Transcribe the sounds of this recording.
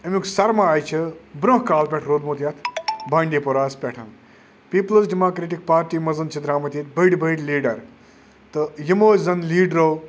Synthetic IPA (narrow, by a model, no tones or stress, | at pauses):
ɐmʲuksɐɾmaaːjt͡ʃʰibɾõɦkaːlpʲeʈʰɾoːd̪moːt̪jɐt̪ʰbaːɳɖiːpoɾaːspʲɛʈʰɐn | piːplsɖimoːkɾeːʈik̚paːɾʈiːmɐzɐnt͡ʃʰid̪ɾaːmɐt̪iːt̪̚bɐɖʲbɐɖʲliːɖɐɾ | t̪ɨjimoːzɐnliːɖɾoː